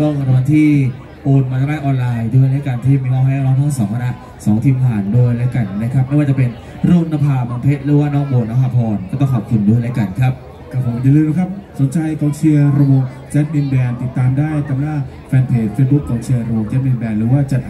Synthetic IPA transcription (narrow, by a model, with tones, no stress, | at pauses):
t̪ɔ˥˩ŋkʰa˧t̪ʰɔː˧nt̪ʰiː˥˩ | ʔoː˧nmaː˧t̪a˧naː˥˩ʔɔː˧nlaː˧jdu˥˩ə˨jlaː˥˩kaː˧nt̪ʰiː˥˩miː˧wɔː˥˩haː˥˨˥wlaː˦˥t̪ʰɔ˥˩ŋsɔː˩˦ŋkʰa˧na˦˥ʔ | sɔː˩˦ŋt̪ʰiː˧mt̪ʰaː˨˩nduː˧˩jlaː˦˥˩ka˨˩n˨na˦˥kʰa˦˥p̚ma˥˩jwaː˧t͡ɕa˨˩pe˧n | ɾoː˥˩˨ŋna˧mpʰaː˧mɔː˧npʰe˦˥t̪̚ɾɯː˨˦waː˥˩nɔː˥˩ŋboː˨˧˩naː˦˥ɦaː˧pʰɔː˧nkɔː˥˩t̪ɔ˥˩ŋkʰɔ˨˩p̚kʰu˧ndu˥˩˨jlaː˦˥˩ka˨˩nkʰɾa˦˥p̚ | kʰaː˧˩pʰo˩˦ma˧jlɯː˧na˧˥kʰa˦˥p̚so˨˩˦nt͡ɕʰa˧jkɔ˨˧ŋt͡ɕʰi˧ɐɾo˧o˧ŋ | t͡ɕɛː˦˥t̪̚mi˧nbɛː˧nt̪i˨˩t̪ːaː˧mdaː˥˩jt̪a˧mnaː˥˩ŋ | fɛː˧npʰeː˨˩t̚feː˦˥t̪̚bu˦˥kʰːɔː˨˧˦ŋt͡ɕʰi˧ɐɾoː˧ŋt͡ɕɛː˦˥t̪̚miː˧mbɛː˧nɾɯː˩˦waː˥˩t͡ɕa˨˧˩t̪̚